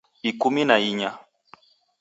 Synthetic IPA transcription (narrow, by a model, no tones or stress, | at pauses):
ikuminaiɲa